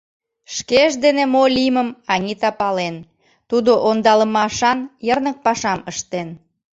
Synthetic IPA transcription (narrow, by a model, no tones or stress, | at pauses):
ʃkeʒd̪enemolʲiməmɑŋit̪ɑpɑlen | t̪ud̪oʔond̪ɑləmɑʃɑnjərnək̚pɑʃɑməʃt̪en